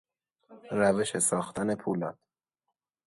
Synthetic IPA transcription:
ɾæveʃesɒːxt̪æne̞pʰuːlɒːt̪̚

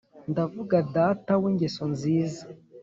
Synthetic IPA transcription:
ndavuɡadataweɲɟesonziːza

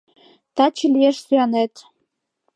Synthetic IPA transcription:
t̪ɑt͡ɕiljeʃsyjɑnet̪

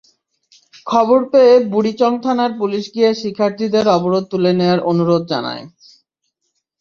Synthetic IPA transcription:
kʰɔboɾpeebuɽit͡ɕɔŋt̪ʰanaɾpuliʃɡieʃikʰːaɾt̪id̪eɾɔboɾod̪̚t̪uleneaɾonuɾod̪̚d͡ʑa̰na̰e

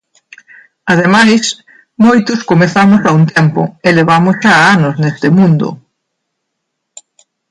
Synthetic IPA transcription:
aðemajs | mojt̪ʊskomeθamʊsaunt̪empʊ̰eleβamʊsʃaːanosnest̪emũnd̪ʊ̰

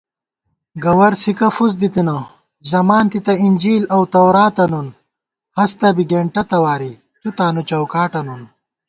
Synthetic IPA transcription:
ɡɐwɐɾsikɐfuz̬d̪it̪inɐ | zɐmaːnt̪it̪ɐind͡ʑiːlɐwt̪ɐwɾaːt̪ɐnun | hɐst̪ɐbiɡeːɳʈɐt̪ɐwaːɾi | t̪ut̪aːnut͡ɕɐwkaːʈɐnun

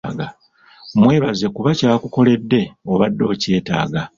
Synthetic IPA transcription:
ɡa | mwe̞ːβaze̞kuβacaːkuko̞le̞dːe̞o̞βadːo̞ːce̞ːta̰ːɡa

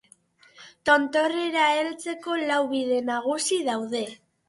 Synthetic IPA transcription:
t̪o̞nt̪o̞reɾae̞lt͡se̞ko̞lawβiðe̞naɣ̞usiðawðe̞

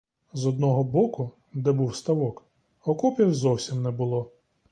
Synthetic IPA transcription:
zɔd̪̚nɔɦɔbɔkʊ | d̪ɛbuwst̪ɐʋɔk | ɔkɔpʲjiwzɔwsʲimnɛbʊlˠɔ

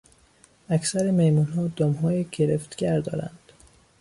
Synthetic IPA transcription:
æcʰsæɾemejmunɦɒːd̪ɒːmɦɒːjeɡʰeɾeft̪ɡ̥ʲæɾd̪ɒ̰ːɾæ̰nd̪̥

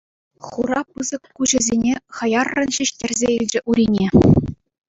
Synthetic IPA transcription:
χuɾɑpɯzɤ̆kːuʑɘ̆zʲenʲeχɤ̆jɑrːɤ̆nɕiɕtʲerʲzʲeilʲd͡ʑɘ̆ʔuɾʲinʲe

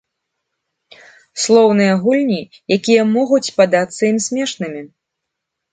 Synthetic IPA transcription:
slˠɔwnɨjɐɣulʲnʲi | jakʲijɐmɔɣut͡sʲpad̪at̪sːɐimsʲmʲɛʂnɨmʲi

